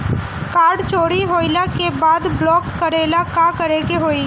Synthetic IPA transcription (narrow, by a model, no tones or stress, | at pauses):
kaːɾɖt͡ʃoːɽiɦoːɪlakebaːd̪blɔːkːəɾeːlakaːkəɾeːɡeɦoːiː